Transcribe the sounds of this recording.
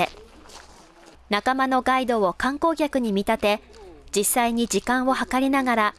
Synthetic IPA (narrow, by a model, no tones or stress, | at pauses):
e | nakamano̞ɡaid̪o̞ːokãŋko̞ːkʲakɯ̟ɲ̟imʲit̪at̪e̞ | d͡ʑisːaiɲ̟id͡ʑikãɰ̃o̞hakaɾʲinaɡaɾa